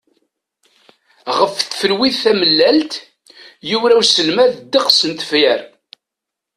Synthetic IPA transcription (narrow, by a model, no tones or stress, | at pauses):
ʁəfθfəlwiðθæməlːælt̪ | juwɾæwsəlmæðd̪əqsənt̪fjæɾ